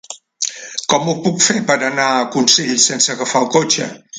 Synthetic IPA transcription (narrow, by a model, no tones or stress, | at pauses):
kɔmupukfepəɾanakunsiʎsensəɣəfaukot͡ʃə̰